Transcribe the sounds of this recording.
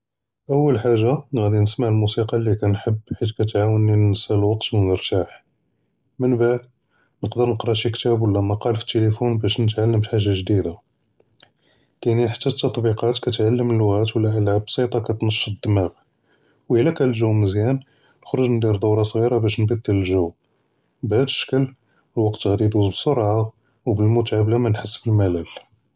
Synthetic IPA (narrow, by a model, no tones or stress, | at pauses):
ʔəwːəlħaʒːaɣæd̪inəsmaʕlmusiqɑlːikænħəbːħit̪kæt̪ʕawənːinːəsælwɑqt̪wənəɾt̪aħ | mənbaʕd̪ | nəqd̪əɾnəqɾˤɑʃikt̪æbwəlːæmæqɑlfi̥t̪ːelifunbæʃnət̪ʕalːəmħaʒːaʒd̪id̪a | kæniħḁt̪ːæt̪ːɑt̪ˤbiqɑt̪kæt̪ʕalːəmnəlwɣæt̪wəlːæʔəlʕabːsˤit̪ˤɑkæt̪nəʃːəd̪ːəmæɣ | wʔəlːækælʒuwməzjæn | nəxɾʊʒnd̪iɾd̪ˤɑwɾˤɑsˤɣiɾabæʃnbəd̪ːələlʒuw | bʕæd̪əʃə̥kəl | əlwɑqt̪ɣæd̪id̪uzbəsˤːoɾˤʕa | wbəlmʊt̪ʕablæmænħəsːfəlmælæl